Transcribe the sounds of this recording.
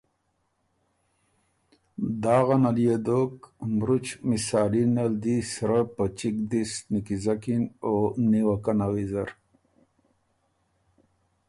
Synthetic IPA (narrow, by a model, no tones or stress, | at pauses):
d̪aːɣanalijed̪okmɾut͡ʃmisaːlinald̪isɾəpət͡ʃikd̪isnikizakinoniwakanawizaɾ